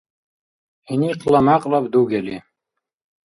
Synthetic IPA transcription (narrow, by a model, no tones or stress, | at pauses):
iniqʰʼlɑmaqʼlɑbd̪uɡɛli